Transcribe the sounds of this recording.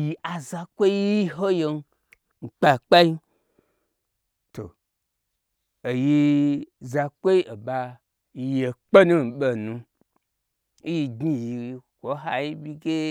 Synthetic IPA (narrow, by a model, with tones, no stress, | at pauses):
ji˧ʔa˨za˧kʷo˦ɦo˦je˧n˦ | ŋ͡m̩˨k͡pa˧˨k͡pa˦i˦ | to̰˨ | ji˧za˧kʷo˦i˦ʔe˨ba˧ | je˨k͡pe˦nũ˦n̩˨ɓe˧nũ˧ | i˦ji˧ɡi˦˨ji˨i˧kʷo˨˦ɦa˧ji˦bʲi˦˧ɡe˦